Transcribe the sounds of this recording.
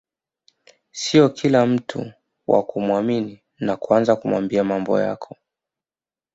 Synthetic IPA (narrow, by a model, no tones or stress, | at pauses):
siɔkʰilam̩tʰṵ | wʔa̰kumwamini | nakuanzakumwa̰mbiamambɔ̰ja̰kʰɔ̥